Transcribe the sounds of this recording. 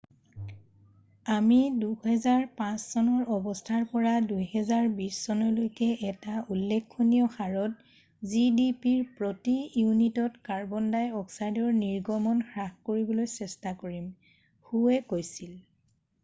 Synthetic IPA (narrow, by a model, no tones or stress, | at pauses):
amiduhɛzaɹpãssɔnɔɹɔbɔstʰaɹpɔɹadujhɛzaɹbisːɔnɔlojkɛʔɛtaʔulːɛkʰːonijɔxaɹɔt | zidipiɹpɹotijunitɔtkaɹbɔndajɔksajdɔɹniɹɡɔmɔnxɹaxkoɹibɔlojsɛstakoɹim | xuɛkojsil